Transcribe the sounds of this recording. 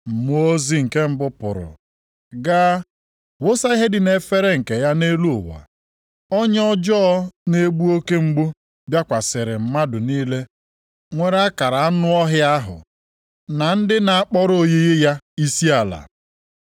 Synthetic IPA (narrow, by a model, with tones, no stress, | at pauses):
m̩˨mu˨˦o˦zi˦ŋ̩˨ke˦m̩˦bʊ˦pʊ̰˨ɾʊ̰˨ | ɡa˦ | wo˦sa˦ɦe˦dɪ˨ne˨fe˦ɾe˦ŋ̩˨ke˨ja˦ne˦lu˦ʊ˨wa̰˨ | ɔ˦ɲ˦ɔ˦d͡ʒɔ˦ne˦ɡ͡bu˦o˦ke˦ŋ͡m̩˦ɡ͡bu˦ | bja˦kʷa˨sɪ˨ɾɪ˨m̩˦ma˦dʊ˨niː˦le˦ | ŋʷe˦ɾa˦ka˨ɾa˨a˦nʊ˦ɔ˦ɦɪ˦a˦ɦʊ̰˨ | na˨n̩˦dɪ˦na˨a˦k͡pɔ˦ɾo˦je˦ɣe˦ja˦i˦si˦a˨la̰˨